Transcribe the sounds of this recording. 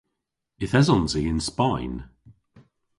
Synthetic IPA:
ɪθɛzɔ̃nziɪ̃nspaɪn

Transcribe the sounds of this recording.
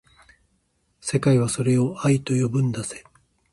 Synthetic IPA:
se̞kaiβ̞aso̞ɾe̞o̞ait̪o̞jo̞bɯ̟̃nd̪ase̞̥

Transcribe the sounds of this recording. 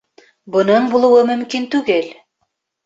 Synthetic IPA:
bŏnɤɴbulˠuwɤmɵ̆mkint̪ʉɡɘl

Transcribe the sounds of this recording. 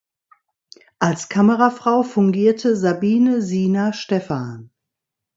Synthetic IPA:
ʔalskʰaməʁafʁ̥aʊfʊŋɡiːɐtʰəzabiːnəziːnaʃtɛfaːn

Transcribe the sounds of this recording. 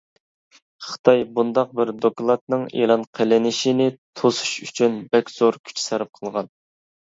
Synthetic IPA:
χə̥t̪ʰɑjbund̪ɑq̚bɪɾd̪oklˠɑt̪̚nɨŋḛlˠɑnqʰelɪnɪʃɪnɪt̪ʰosu̥ʃyt͡ʃʰynbɛkʲz̥oɾkʲʰy̥t͡ʃʰi̥sæɾɪp̚qʰəlˠʁɑn

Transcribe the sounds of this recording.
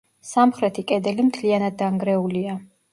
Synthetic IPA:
samχɾɛt̪ʰikʼɛd̪ɛlimt̪ʰlianad̪̚ːaŋɡɾɛulia

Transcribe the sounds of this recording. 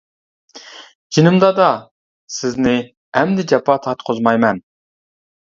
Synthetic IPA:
d͡ʒinɪmd̪ɑd̪ɑ | sɪznɪ | ɛmd̪ɪd͡ʒɛpʰɑt̪ʰɑt̪qʰozmɑjmɛn

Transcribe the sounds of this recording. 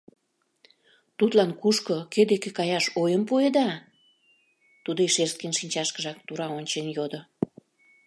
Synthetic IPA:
t̪ut̪lɑnkuʃkoked̪ekekɑjɑʃojəmpued̪ɑ | t̪ud̪oeʃers̚kenʃinʲt͡ɕɑʃkəʒɑk̚t̪uɾɑonʲt͡ɕenjod̪o

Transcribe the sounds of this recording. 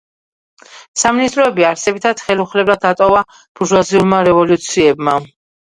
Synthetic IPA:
saminist̪ʼɾɔɛbiaɾsɛbit̪ʰad̪̥χɛluχlɛblad̪̚ːat̪ʼɔva | b̥uʒwaziulˠmaɾɛvɔlut̪sʰiɛbma

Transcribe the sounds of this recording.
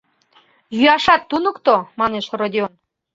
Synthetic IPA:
jyɑʃɑt̪ːunə̆kt̪omɑneʃrod̪ʲion

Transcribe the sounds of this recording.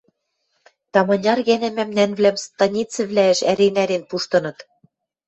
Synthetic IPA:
t̪ɑmɑnʲɑrɣænæ̆mæmnænvlæmst̪ɑnʲit͡sɘ̆βlæɘ̆ʃæɾenæɾenpuʃt̪ɤ̆nɤ̆t̪

